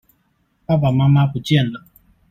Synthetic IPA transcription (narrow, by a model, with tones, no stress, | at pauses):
pa˦ba˨ma˦ma˦pu˨t͡ʃɛ˦˨na˨